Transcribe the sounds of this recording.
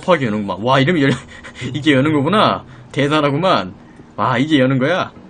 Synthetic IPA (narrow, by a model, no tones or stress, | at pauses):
pʰɦaɡejʌnɯnɡoma̰nwaiɾɯmijʌiɡe̞jʌnɯnɡʌpona | te̞sʰanɦaɡoman | waiɡe̞jʌnɯnɡʌja